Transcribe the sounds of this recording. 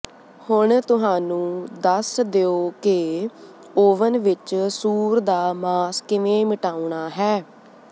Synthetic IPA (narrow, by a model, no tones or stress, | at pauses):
hʊɳt̪ʊɦãːnũːd̪əsd̪eːoːke | oːʋənʋɪt͡ʃsuːɾd̪aːmaːskɪʋẽːməʈaːuɳaːɦɛː